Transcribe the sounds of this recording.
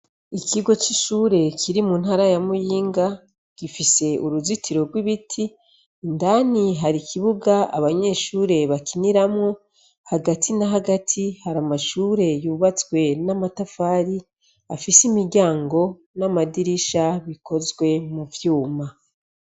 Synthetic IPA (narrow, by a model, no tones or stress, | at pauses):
ikiɡo̞t͡ʃiʃuːɾe̞kʰiɾimun̥haːɾajamujiːŋɡa | ɡ̥ifise̞ʔuɾuzitʰiɾo̞ɾɡwiβitʰiː | ndaniɦaɾikʰiβuɡaa̰βaɲe̞ːʃuːɾe̞βakiniɾamŋo | haɡatʰinaɦaɡatʰihaɾamaʃuːɾe̞juːβat͡swe̞namatafaːɾi | afisimiɾɟaːŋɡo̞ | namadiɾiʃaβikʰo̞zɡwe̞muvjuːma